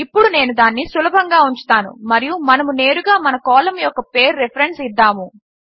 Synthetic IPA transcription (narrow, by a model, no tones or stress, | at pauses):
ipːuɽune̞ːnud̪aːnːisulɐbʱɐŋɡaːuɲt͡ʃu̥t̪aːnṵmɐɾijumɐnɐmune̞ːɾuɡaːmɐnɐkɔːlɐmjɔkːɐpe̞ːɾːepʰɐɾe̞ɳsid̪ːaːmu